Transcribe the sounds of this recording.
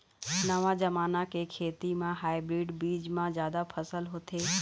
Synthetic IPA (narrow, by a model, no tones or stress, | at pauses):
nəʋãd͡ʒɐmaːnakekʰeːt̪imãɦaːibɾiːɖbiːd͡ʒmãzjaːd̪apʰəsəlɦot̪ʰeː